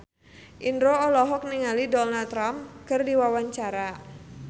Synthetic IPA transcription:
ʔindɾoːlɔɦɔk̚niŋalidɔnalt̪ɾamkɨrdiwawaɲt͡ʃaɾa

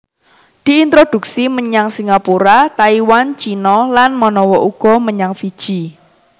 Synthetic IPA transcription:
d̪̥i̤int̪ɾod̪̥ṳksiməɲaŋsiŋapuɾat̪aiwant͡ʃinɔlanmɔnɔwɔʔuɡ̥ɔ̤məɲaŋfid̥ʒ̥i

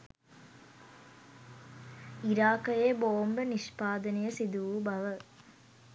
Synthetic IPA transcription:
iɾaːkɐjeːboːmbɐniʂpaːd̪ɐnɐjɐsid̪uʋubɐʋɐ

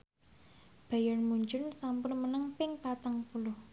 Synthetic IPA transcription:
b̥a̤janmuɲd͡ʒʊnsampʊnmənəŋpɪŋpat̪aŋpulʊh

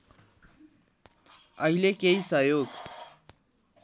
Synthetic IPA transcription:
ʌɦilekeisʌjoɡ

